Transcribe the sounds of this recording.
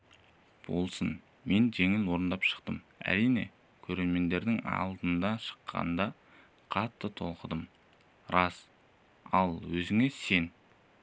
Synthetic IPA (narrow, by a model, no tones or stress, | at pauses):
b̥o̞̰lˠsən | me̞nʒe̞ŋɪnwo̞ɾənd̪ɑpʃə̥qt̪əm | æ̰ɾijne̞̰ | kʲʰɵɾe̞ɾme̞nd̪e̞ɾd̪ɪŋɑ̰lˠd̪ənd̪ɑʃə̥qʰːɑ̰nd̪ɑ | qʰɑt̪ːət̪ʰo̞lˠqəd̪əm | ɾɑs | ɑlˠwɵzɪŋese̞n